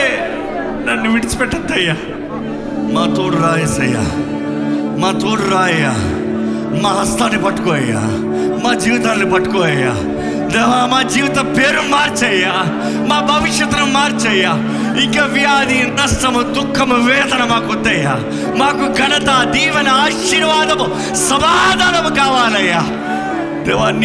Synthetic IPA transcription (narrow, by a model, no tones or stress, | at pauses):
nɐniʋɪʈspeʈɐt̪ɐjaː | mãːt̪oːɽɾaːesɐja̰ː | mãːt̪oːɽɾaːeja̰ː | mãːɦɐst̪aːnebʱɐʈkoːeja̰ː | mãːd͡ʒiːʋt̪anebʱɐʈkoeja̰ː | d̪ɐʋãːmãːd͡ʒiːʋt̪abʱeːɾumaːɾt͡ʃɐjaː | mãːbʱɐʋɪʃjɐt̪ɐnɐmaːɾt͡ʃɐjaː | ɪkɐʋɪjaːd̪iːnɐsʈɐmt̪ʊkʰɐmʋeːt̪ɐnɐmãːkot̪ejaː | mãːkuɡɐnt̪aːd̪iːʋɐnaːʃiɾʋaːd̪ɐm | sɐbaːd̪aːd̪ɐmkaːʋaːlɐjaː | t̪eʋaːn